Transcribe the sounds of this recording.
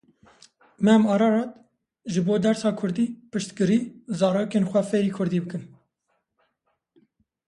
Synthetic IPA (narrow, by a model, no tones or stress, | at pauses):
mɛæmɑːɾɑːɾɑːt̪ | ʒɨboːd̪ɛɾsɑːkʰʊɾd̪iːpɨʃt̪kɨɾiːzɑːɾoːkeːnxʷɛfeːɾiːkʰʊɾd̪iːbɨkɨn